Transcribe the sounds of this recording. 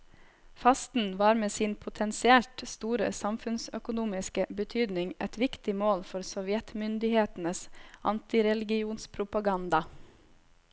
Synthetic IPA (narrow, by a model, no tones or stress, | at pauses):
fɑst̪n̩ʋɑːɾmeːsiːnpʰʊt̪ʰɛnsɪɛlt̪st̪uːɾə̰sɑmfʉnsœkʊnuːmɪskəbət̪ʰyːd̪nɪŋʔɛt̪ʋɪkt̪ɪmoːlfɔɾsɔʋjɛt̪mʏnd̪ɪheːt̪n̩əsɑ̰nt̪ɪɾɛlɪɡɪuːnspʰɾʊpɑɡɑnd̪ɑ